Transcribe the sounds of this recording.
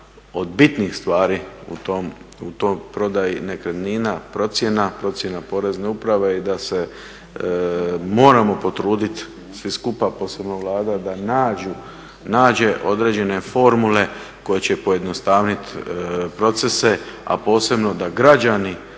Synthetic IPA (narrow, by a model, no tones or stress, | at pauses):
o̞d̪bit̪nixst̪ʋaːɾiṵt̪omut̪ojpɾo̞d̪ajine̞kɾed̪niːnapɾo̞t̪sje̞napɾo̞t̪sʲje̞napo̞ɾe̞zne̞upɾaʋe̞id̪ase̞ | mo̞ːɾamo̞po̞t̪ɾuːd̪it̪ | sʋiskupapo̞ːse̞bnoʋlaːd̪ad̪anaːd͡ʒu | naːd͡ʑe̞ʔo̞d̪ɾe̞d͡ʑe̞ne̞fo̞ɾmule̞ | ko̞je̞t͡ɕe̞po̞je̞d̪no̞st̪aːʋnit̪pɾo̞t̪se̞se̞a̰po̞ːse̞bno̞d̪aɡɾad͡ʒani